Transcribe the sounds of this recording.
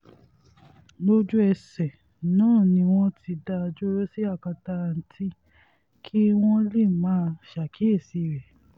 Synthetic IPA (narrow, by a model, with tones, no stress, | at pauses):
lo˦d͡ʒu˦ɛ˧sɛ˨ | nãː˦˨nĩ˧w̃ɔ̃˦ti˧da˦˧d͡ʒo˦ɾo˦si˦a˦˨ka˧ta˧˨n̩˨tʰi˦ | kʰi˦w̃ɔ̃˦le˦˨mãː˨˦˧ʃa˨kʰi˨˦e˦˨si˨˧˨ɾɛ˨